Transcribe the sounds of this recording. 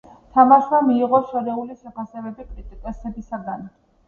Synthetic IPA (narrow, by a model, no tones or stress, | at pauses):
t̪ʰamaʃwamiːʁɔʃɔɾɛuliʃɛpʰasɛvɛbikʼɾit̪ʼikʼɛsɛbisaɡan